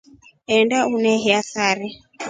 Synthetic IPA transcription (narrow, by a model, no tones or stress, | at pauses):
ɛndaunɛɦɛasaɾɛ